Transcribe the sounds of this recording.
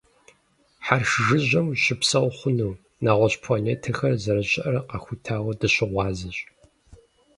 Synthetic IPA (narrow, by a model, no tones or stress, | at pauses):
ħarʃʒɨʑɐmɕɪpsɐwχʷʊnuː | naːʁʷɔɕʼpʰloneːtʰɐxɐrzɐɾɐɕʼɪʔɐrɐqɐxʷʊtʰaːwɐdɨɕɪʁʷɑːzɐɕʼ